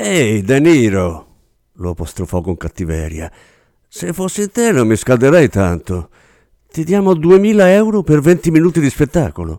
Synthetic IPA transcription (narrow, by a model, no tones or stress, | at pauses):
ejd̪eniːɾo | loapost̪ɾofɔkoŋkat̪ːivɛ̰ːɾja̰ | sefosːint̪enomːiskald̪eɾɛjt̪a̰nt̪o | t̪id̪jaːmoad̪uemiːlaɛwɾopervent̪iminuːt̪id̪ispet̪ːa̰ːkolo̰